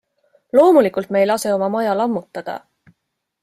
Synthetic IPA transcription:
lo̞ːmulikːˑult̪me̞jlɑse̞o̞mɑmɑjɑlɑmːut̪ˑːɑd̪̥ɑ̰

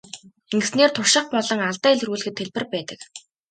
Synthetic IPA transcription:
eŋɡɘ̆sneːrt̪ʰʊʃɪ̆χ̚pɔɮɞ̆ŋaɮt̪æːeɮruːɮɘ̆xɘ̆t̪ʰːeɮpɘ̆rpæːt̪ə̥̆k

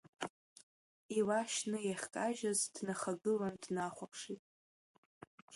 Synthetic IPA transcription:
iwaʃnɨjaχʲkʼaʒazdnaχaɡɨlandnaχʷapʰʂitʼ

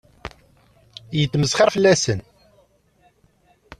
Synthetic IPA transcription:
jət̪ːməsχɑɾfəlːæsən

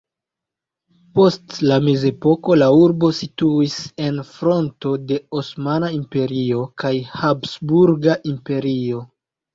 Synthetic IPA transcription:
po̞stlame̞ze̞po̞ko̞lauɾbo̞situise̞nfɾo̞nto̞de̞osmanaimpe̞ɾio̞kajhapsbuɾɡaʔimpe̞ɾio̞

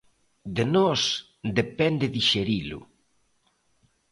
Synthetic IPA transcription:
d̪enɔs | d̪epɛnd̪eðiʃeɾilʊ̰

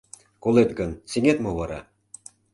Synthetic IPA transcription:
kolˠet̪ɡɤnseŋʲet̪moβɑɾɑ̰

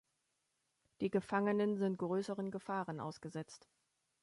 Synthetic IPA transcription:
d̥iːɡəfaŋənənzɪntɡ̥ʁøːsəʁənɡəfaːʁənʔa̰ʊsɡ̥əzɛt͡st

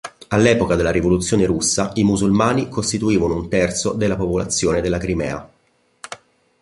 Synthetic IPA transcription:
alːɛːpokad̪elːaɾivolut̪sjoːneɾusːaimuzulmaːnikost̪it̪uiːvanount̪ɛrt̪sod̪elːapopolat̪sːjoːned̪elːakɾimɛ̰ːa̰

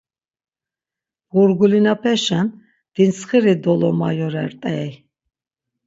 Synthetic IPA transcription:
ɣuɾɡulinapʰɛʃan | d̪̥insχiɾid̪ɔlɔmajɔɾɛɾt̪ʼɛːj

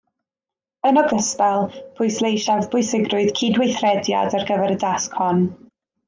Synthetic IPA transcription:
ənɔɡəspɛlˠpʰʊɨslˠejʃavbʊɨsɪɡrʊɨð̥kʰiːdwejθrɛdja̰darɡəvɛɾədaskʰhɔn

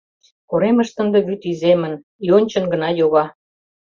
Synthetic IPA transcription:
koɾemə̆ʃt̪ə̆nd̪ɤ̆βyt̪izemə̆n | jonʲt͡ɕɤ̆nɡə̆nɑjoɣɑ

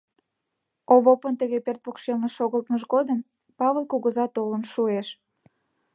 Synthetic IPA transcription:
oβopənt̪əɣepert̪̚pokʃelnəʃoɣəlt̪məʒɣod̪əm | pɑβəlˠkuɣəzɑt̪olənʃueʃ

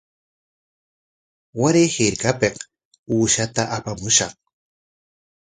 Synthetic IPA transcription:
waɾehɪɾkapeq | uːʃat̪aʔapamʊʃɑχ

